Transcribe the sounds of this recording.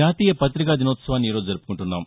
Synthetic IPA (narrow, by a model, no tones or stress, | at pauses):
aːt̪iːjɐpɐt̪ɾikaːd̪inoːt̪sɐʋaːnːiːɾoːd͡ʒud͡ʒɐɾupu̥kuɳʈunːaːm